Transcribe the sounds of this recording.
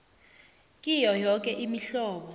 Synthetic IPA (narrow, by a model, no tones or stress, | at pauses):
kʼijɔjɔk̬ʼɛʔimiɬɔːɓɔ